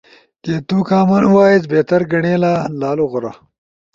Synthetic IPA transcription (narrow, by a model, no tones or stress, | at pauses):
ket̪ukaːmanuwaːjet͡sbeːt̪ɐɾɡɐɳeːlaːlaːloɣʊɾa̰